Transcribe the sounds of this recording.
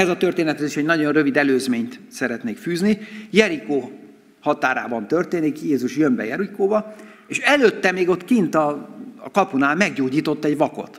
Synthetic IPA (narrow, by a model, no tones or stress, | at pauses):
ɛzɒt̪ørt̪eːnɛt̪ɛziʃɛɟnɒɟo̞nrø̞vid̪ɛløːzmeːɲt̪sɛɾɛt̪neːkfyːznijɛɾikoː | hɒt̪aːɾa̰ːbɒnt̪ørt̪eːnikjeːzuʃjømbɛ̰jɛɾikoːbɒ | eːʃɛløːt̪ːɛmeːɡo̞t̪ːkint̪ɒːkɒpunaːlmɛɡɟoːɟiːt̪o̞t̪ːɛɟʋɒko̞̰t̪